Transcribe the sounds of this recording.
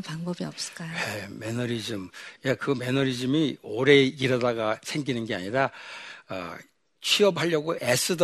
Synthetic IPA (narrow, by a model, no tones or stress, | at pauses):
paŋbʌbiʌp̚s͈ɯ̥k͈ajweme̞nʌɾid͡ʑɯmjakɯme̞nʌɾid͡ʑɯmioɾe̞iɾʌdaɡat͡ɕʰe̞ŋɡinɯnɡe̞a̰ɲiɾaʌ̰ | t͡ɕʰiʌp̬haʎːʌɡoʔe̞s͈ʰɯd